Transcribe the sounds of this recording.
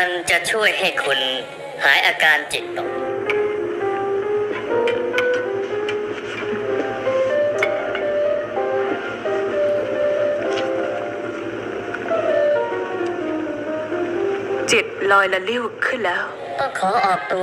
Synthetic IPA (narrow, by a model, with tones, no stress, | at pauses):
a˧nt͡ɕa˨˩ʔt͡ɕʰu˥˩əjɦa˥˩jkʰu˧n | haː˩˦jʔaː˧kaː˧nt͡ɕe˨˩t̪̚ːo˨˩˥ | t͡ɕe˨˩t̪̚lɔː˧jla˧li˥˩wkʰɯ˥˩nlɛː˦˥w | k̪ɔː˥˩kʰɔː˩˦ʔɔː˨˩k̚t̪u˧